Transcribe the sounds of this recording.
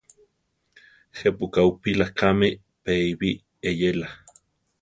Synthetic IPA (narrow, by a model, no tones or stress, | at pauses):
hepukaupilakʰami | peiβi | ejela